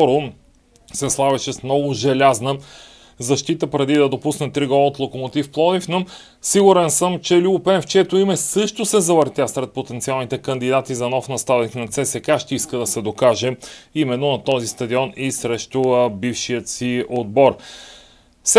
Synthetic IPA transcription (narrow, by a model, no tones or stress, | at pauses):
ɔɾo | sɛslˠavɛʃɛsmnɔɡʊʒɛlʲaznə | zɐʃt̪it̪əpɾɛd̪id̪ɐd̪opusnɛt̪ɾiɡɔlˠəot̪lˠokomot̪ifplˠɔd̪ifno | siɡʊɾɛnsɤmt͡ʃɛlʲubʊpɛnft͡ʃɛt̪oimɛsɤʃt̪osɛzɐvəɾt̪ʲjasɾɛt̪̚pot̪ɛnt̪sialˠnit̪ɛkənd̪id̪at̪izɐnɔfnɐst̪ad̪ɛxnɐt̪sɛsɛkaʃt̪ɛiskəd̪ɐsɛd̪okaʒɛimɛnːonɐt̪ɔzist̪ɐd̪iɔnisɾɛʃt̪obifʃijət̪siod̪̚bɔɾ | s